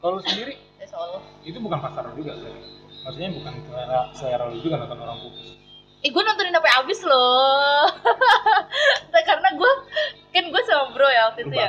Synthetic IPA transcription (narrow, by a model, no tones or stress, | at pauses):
kalusəndiɾi | ɛsolɔit̪ubukanpasaɾd͡ʒuɡasajamaksuɲabukanit̪uaɾasajaɾalud͡ʒukanat̪ɔnoɾaŋbukʊs | ɛɡuanɔnt̪ɔninapaabɪslɔ | t̪akaɾənaɡuakɪnɡuasamabɾojat̪iuja